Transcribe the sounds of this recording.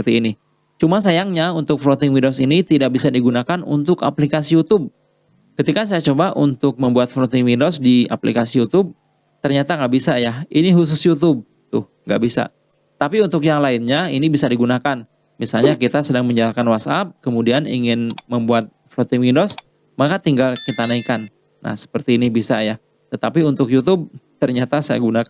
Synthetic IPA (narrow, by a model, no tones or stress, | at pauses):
əət̪iːni | t͡ʃumas̬ajaŋɲaunt̪ʊk̚flot̪ɪŋwindosinit̪idak̚bisadiɡunakanṵnt̪ʊka̰plikasijut̪ʊb̚ | kət̪ikas̬ajat͡ʃobaʔunt̪ʊk̚məmbuat̪̚flot̪ɪŋwindosdia̰plikasijut̪ʊb̚ | t̪ərɲat̪aŋɡaʔbisajainiɦus̬ʊsjut̪ʊb̚ | t̪ʊhŋɡa̰ʔbisa̰ | t̪apiunt̪ʊkjaŋlaɪnɲainibisadiɡunakan | misalɲakit̪asədaŋməɲd͡ʒalakanwasap̚kəmudianḭŋɪnməmbuat̪̚flot̪ɪŋwindɔs | makat̪iŋɡalkit̪anaikanː | a̰hsə̥pərt̪iːnibisaja | t̪ət̪apiunt̪ʊkjut̪̬ʊb̚t̪ərɲat̪asaja̰ɡunaka